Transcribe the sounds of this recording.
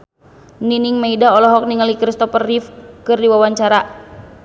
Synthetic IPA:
niniŋmaidaɔlɔɦɔk̚niŋalikɾist̪ɔpərːifkɨrdiwawaɲt͡ʃaɾa

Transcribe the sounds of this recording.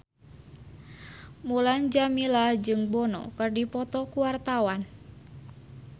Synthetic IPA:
muland͡ʒamilad͡ʒɨŋbɔnɔ̰kɨrdipɔt̪ɔkuwart̪awan

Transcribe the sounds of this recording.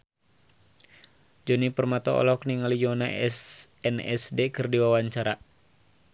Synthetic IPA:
d͡ʒɔnipərmat̪ɔɔ̰lɔkniŋalijɔnaɛsɛnɛ̰sdekɨrdiwawaɲt͡ʃaɾa

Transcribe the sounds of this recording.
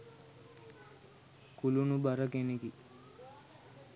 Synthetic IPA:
kulunubəɾəkeneki

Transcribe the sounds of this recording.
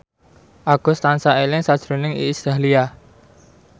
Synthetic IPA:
ʔaɡ̥ɔ̤st̪ansaelɪŋsad̥ʒ̥ɾo̤nɪŋḭːsalia

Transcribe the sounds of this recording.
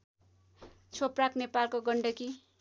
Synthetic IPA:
t͡sʰopraknepalkoɡʌɳɖʌki

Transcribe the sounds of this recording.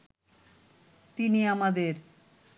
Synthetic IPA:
t̪iniamad̪eɾ

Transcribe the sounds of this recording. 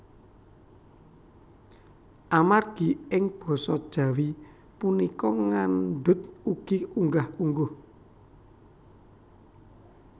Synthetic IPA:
ʔamarɡ̥iɪŋb̥ɔ̤sɔd̥ʒ̥ä̤wi | punikɔŋanɖʊt̪̚uɡ̥iuŋɡahuŋɡʊh

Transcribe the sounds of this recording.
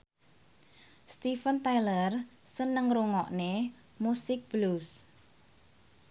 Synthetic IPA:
st̪ifənt̪ajlər | sənəŋruŋɔʔne | musɪk̚b̥lus

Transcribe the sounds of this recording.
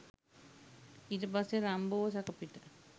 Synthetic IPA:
iʈəpasːeɾamboʋəsakəpiʈə

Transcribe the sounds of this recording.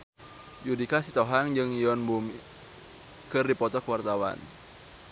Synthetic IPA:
d͡ʒudikasit̪ɔɦaŋd͡ʒɨŋiɔnbumi | kɨrdipɔt̪ɔkwart̪awa̰n

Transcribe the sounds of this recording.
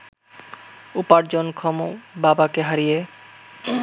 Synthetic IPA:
upaɾd͡ʑonkʰɔmobabakeɦaɾije

